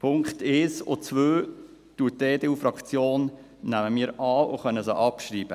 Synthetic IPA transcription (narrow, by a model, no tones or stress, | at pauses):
pʰʊŋkχt̪ɛːso̰t͡sʋøː | tuːət̚deːdeːuːfɾɑkt͡sjoːn | næməmiːɾɑːo̰χœnəsoʔɑpʃriːb̥ə